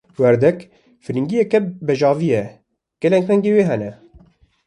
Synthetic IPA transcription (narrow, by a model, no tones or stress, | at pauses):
wɛɾd̪ɛk | fɨɾiŋɡijɛkɛbɛʒɑːvijɛ | ɡ̥ɛlɛŋkrɛŋɡeːweːɦɛnɛ